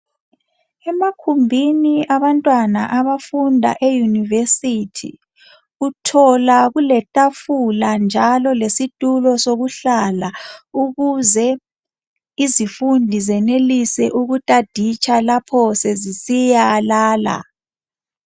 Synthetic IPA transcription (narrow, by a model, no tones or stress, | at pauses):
ɛmakʰumbʱiniaβantʼwana̰ʔaβafundʱa̰ʔejunivesitʰḭ | utʰɔlaɣulɛtʼafuland͡ʒʱalɔlesitʼulɔsoɣuɬalauɣuzɛ | izifundʱizɛnelisɛʔuɣutʼad̥ʱit͡ʃʰʼalapʰɔsɛzisijalaːla̰